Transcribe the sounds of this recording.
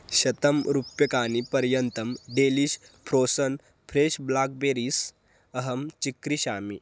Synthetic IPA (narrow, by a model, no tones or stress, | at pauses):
ʃɐt̪ɐmɾupjɐkaːnipɐɾjɐnt̪ɐmɖeːliʃpʰɾoːsɐn | pʰɾeːʃblaːk̚beːɾiːs | ɐɦɐmt͡ʃikɾiɕaːmḭ